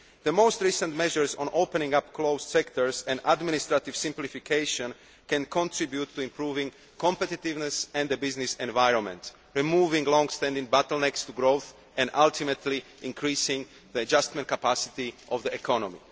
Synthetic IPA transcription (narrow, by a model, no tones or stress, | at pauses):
d̪əmoʊst̪ɾiːsə̃nt̪mɛʒəɹsɔ̰̃noʊpɛnĩŋɡapkloʊssɛkt̪ɔɹsɛ̃nd̪ad̪minist̪ɾat̪ivsĩmplifikʰeɪʃɔ̃n | kɛ̃nkʰɔ̃nt̪ɹibjut̪ʰːuĩmpɾuːvĩŋ | kʰɔ̃mpɛt̪it̪ivnɛsɛ̃nd̪əbiznisɛ̃nvajɹɔ̃nmɛ̰̃nt̪ | ɹimuːvĩŋɡlɔ̃ŋɡst̪ɛ̃nd̪ĩŋɡ̚bat̪əlnɛkst̪uɡɾoʊθ | ʔɛ̃nd̪ʔalt̪imɛt̪ʰliʔĩŋkʰɾiːsĩŋɡ | ðəad͡ʒast̪mɛ̃nt̪kapasi̥t̪iʔɔvd̪əɛkʰɔnɔmḭ